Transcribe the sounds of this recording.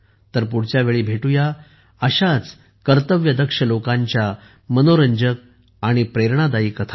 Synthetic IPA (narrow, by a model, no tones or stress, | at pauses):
t̪əɾpuɽt͡ɕjaʋeɭiːbʱeʈuja | əɕat͡s | kəɾt̪əʋjəd̪əkʂəlokãɲt͡ɕja | mənoɾəɲd͡ʑək̚ | aɽ̃ipɾeɾɳad̪aiːkət̪ʰa